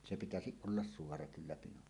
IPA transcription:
se pitæsiʔ ʔolːɑs suorɑ kylːæ pinon

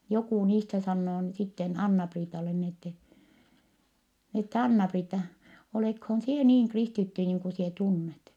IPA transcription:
jokuˑ niːstæ sɑnːoː n sitːen ɑnːɑpriːtɑle ni etːɛ etː ɑnːɑpriːtːɑ oleˑkhoːn sie niːŋ kristitːy niːŋ ku sie tunːet

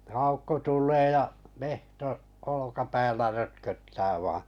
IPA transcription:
ɑukːo tulˑeː jɑ mehtoʔ olokɑpæːlːæ røtkøtːæː ʋɑːɑ̃

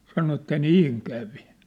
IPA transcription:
sɑno etːæ niːŋ kæʋi

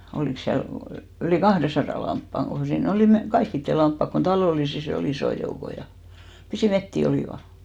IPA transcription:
oliˑks siæl yliˑ kɑhresɑrɑˑ lɑmpːɑŋ ɡ̊o siːn oliˑ me kɑikːitːe lɑmpːɑk kon tɑloˑlisis ol isoˑ joukoj jɑ pisiˑ metːi oliˑʋɑ

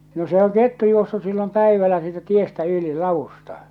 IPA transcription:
no se oŋ ketːu juosːus silːom pæiʋælːæ siːtæ tiestæ yli lɑʋustɑ

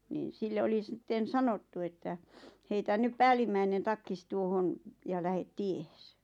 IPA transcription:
niˑn̞ silːe oli stːen̞ sɑnotːu etːæ heitæ nyp pæːlimːæinen tɑkːis tuohon jɑ læhet tiehes

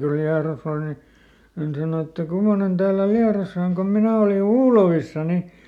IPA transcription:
ku liɑros ol ni hæn sɑno etːæ kumːonen tæːlːæ liɑrosɑ oŋ kom minæ oli uːloʋisːɑ ni

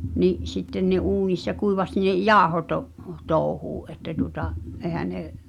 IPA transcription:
niʔ sitːen nĕ̝ uːnisːɑ kuiʋɑsʲ ne jɑːŏhotoʔ toːŭhuːʔ ʔetːæ tuotɑʔ ʔeˑhæ ne

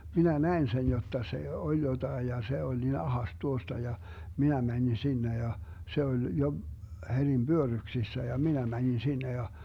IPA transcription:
minæ næen sen jotːɑ se olʲ jotɑij jɑ se olʲ nin ɑhɑs tuostɑ jɑ minæ mænʲin sinːe jɑ se olʲ jo herʲim b̥yørːyksisːæ jɑ minæ mænʲin sinːe jɑ

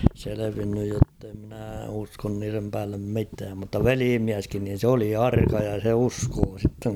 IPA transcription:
seleʋinːyj jotːe mnæː uskon niːrem pæːlːem mitæːm mutːɑ ʋeliːmiæskin niːn̞ sĕ oli ɑrkɑ jɑ se uskoː sitːeŋ

